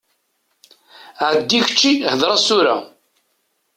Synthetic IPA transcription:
ʕd̪ːiʝə̥t͡ʃːihəðɾˤɑsuɾa̰

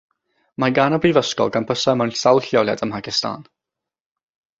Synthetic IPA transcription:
maɡanəbrivəskɔ̰lˠɡanpʰəsəmɔnsalˠɬjɔlja̰dəmpʰakɪstʰa̰ːn

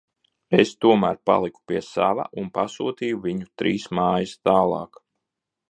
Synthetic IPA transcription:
est̪uɔmæːɾpa̰lˠiku̥piɛsa̰va̰ʔunpasuːt̪iːjuvʲiɲut̪ɾiːsmaːjast̪aːlˠɑ̰ːk

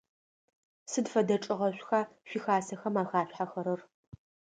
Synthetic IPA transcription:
sɨdfɐdɐʈ͡ʂʼɪʁɐɕʷxaɕʷixaːsɐxɐmaːxaːɕʷħaxɐɾɨr

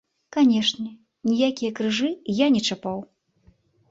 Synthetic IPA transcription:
kanʲɛʂnʲɛ | nʲijakʲijɐkɾɨʐɨijanʲɛt͡ʂapaw

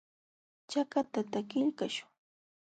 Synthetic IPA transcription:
t͡ʃakat̪at̪akɪʎkaʃʊ̥ŋ

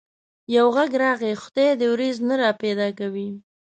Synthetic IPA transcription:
jawɣaɡɾɑɣexʊd̪ed̪əwɾiznaɾɑped̪ɑkawi

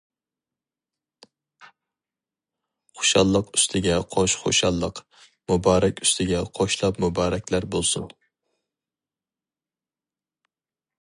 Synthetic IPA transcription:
χo̥ʃɑlˠːəqy̥st̪ʰɪɡʲɛqʰoʃχo̰ʃɑlˠːəq | mʊbɑːɾɛkʲyst̪ʰɪɡʲɛqʰoʃlˠɑpmʊbɑːɾɛkʲlæɾbolˠsʊn

